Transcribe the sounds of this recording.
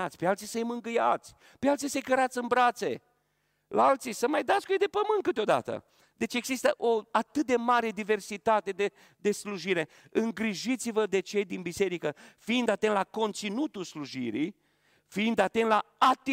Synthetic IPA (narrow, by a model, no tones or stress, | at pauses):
at̪sʲpealt̪sisəjmɨŋɡɨja̰t̪sʲ | pealt̪sisəjkəɾat̪sʲɨnbɾat̪sḛ | lʔa̰alt̪sisəmajd̪at̪skujejd̪e̞pəmɨnt̪kɨt̪eo̞d̪a̰t̪ə̰ | d̪e̞t͡ʃe̞ɡzist̪əʔo̞at̪ɨt̪̚d̪e̞maɾed̪ive̞rsit̪at̪e̞d̪e | d̪e̞sluʒiɾe̞ | ɨŋɡɾiʒit̪sivəd̪e̞t͡ʃe̞jd̪inbise̞ɾikəfiind̪at̪enlako̞nt̪sinut̪ulsluʒḭɾḭj | fiind̪at̪ent̪laat̪i